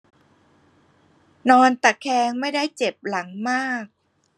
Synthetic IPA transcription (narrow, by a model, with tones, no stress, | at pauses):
nɔː˧nt̪a˨˩kʰːɛː˧ŋma˥˩jda˥˩jt͡ɕe˨˩p̚la˩˦ŋmaː˥˩k̚